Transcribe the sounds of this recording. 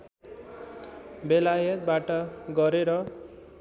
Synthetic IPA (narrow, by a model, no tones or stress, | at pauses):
belajʌt̪̚baʈʌɡʌɾeɾʌ